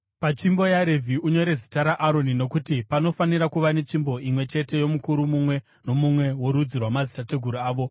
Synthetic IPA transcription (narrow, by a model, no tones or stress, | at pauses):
pat͡ʃimbo̞jaɾevʱiʔuɲo̞ɾe̞zitaɾaʔːɾo̞nino̞kutipano̞faniɾakuʋane̞t͡ʃimbo̞imwe̞t͡ʃe̞te̞jo̞mukuɾumumwe̞ | no̞mumwe̞wo̞ɾud͡zirwamazisate̞ɡʱuɾuaːʋo̞